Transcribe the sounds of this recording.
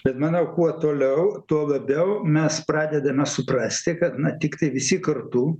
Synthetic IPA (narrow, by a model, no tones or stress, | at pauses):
bʲɛt̪mɑːnoːkuɔt̪oːlʲɛʊt̪uɔlˠɐbʲɛʊmʲɛsprɑːd̪ʲɛd̪ɐmʲɛsʊprɐsʲt̪ʲɪkɐt̪nɐt̪ʲɪkt̪ɐɪʋʲɪsʲɪkɐrt̪u